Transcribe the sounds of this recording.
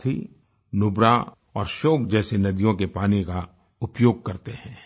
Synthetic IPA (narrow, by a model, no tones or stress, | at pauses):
i | nʊbɾa | ɔːɾʃoːkd͡ʒɛːsenɐd̪ijõkepaːnika | ʊpjoːɡ̚kɐɾt̪eɦɛ̃ː